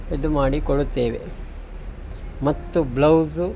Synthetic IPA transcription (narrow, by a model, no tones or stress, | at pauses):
id̪umaːɽikoɽut̪ːeːʋḛ | mɐt̪ːublɐwzu